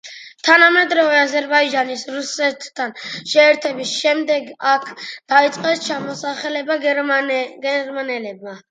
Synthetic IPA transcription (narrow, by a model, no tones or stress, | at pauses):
t̪ʰanamɛd̪ɾɔvɛazɛɾbaid͡ʒanisɾusɛt̪ʰːanʃɛːɾt̪ʰɛbisʃɛmd̪ɛɡakʰd̪̥ait̪sʼqʼɛst͡ʃʰamɔsaχɛlɛbaɡ | ɡɛɾmanɛlɛb̚ma